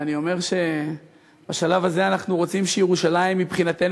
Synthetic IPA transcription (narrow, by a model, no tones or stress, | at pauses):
anio̞me̞ʁʃe̞ | b̥aʃalavazeanaχnuʁo̞t͡simʃejeʁuʃalaimːipχinat̪e̞n